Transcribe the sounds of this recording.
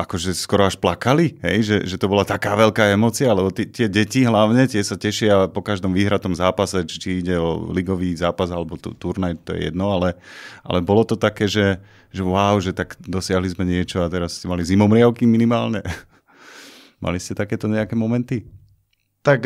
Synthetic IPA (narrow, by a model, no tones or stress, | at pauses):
ʔakɔʒɛskɔɾɔaʃplakaliɦɛ̰jʒɛʒɛt̪ɔbɔlat̪akaːʋɛlkaːɛmɔːt͡sialɛbɔt̪t̪ɪɛɟɛciɦlaʊɲɛt̪ɪɛsacɛʃɪapɔkaʒd̪ɔmʋiːɦɾat̪ɔmzaːpasɛt͡ʃi̥t͡ʃiiɟɛɔ̰liɡɔʋiːzaːpazalɛbɔt̪ṵt̪uɾnajt̪ɔjɛ̰jɛ̰d̪nɔalɛʔa̰lɛbɔlɔt̪ɔt̪akɛːʒɛ | ʒɛʊaʊʒɛt̪aɡd̪ɔsɪaɦlizmɛɲɪɛt͡ʃɔat̪ɛɾasscɛmalizimɔmɾɪaʊkiminimaːlɲɛ | mʔa̰liscɛt̪akɛːt̪ɔɲɛakɛːmɔmɛnt̪i | t̪ak